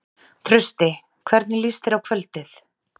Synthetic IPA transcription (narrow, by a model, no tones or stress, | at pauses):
t̪ʰɾʏst̪ɪ | kʰvɛɾt̪nɪlist̪ɪɾawkʰvœlt̪ɪθ